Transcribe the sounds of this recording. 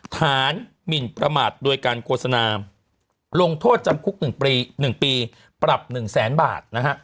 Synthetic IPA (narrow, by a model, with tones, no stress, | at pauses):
t̪ʰaː˩˦n | mi˨˩npɾa˧maː˨˩t̪̚du˧əjkaː˧nkʰoː˥˩t̪̚sa˧naː˧ | lo˧ŋt̪ʰoː˥˩t̪̚t͡ɕa˧mkʰu˦˥k̚nɯ˨˩ŋː˧nɯ˨˩ŋpiː˧ | pɾa˨˩p̚nɯ˨˩ŋsɛː˩˦˥nba̰ː˨˩t̪̚na˦˥kʰa˦˥ʔ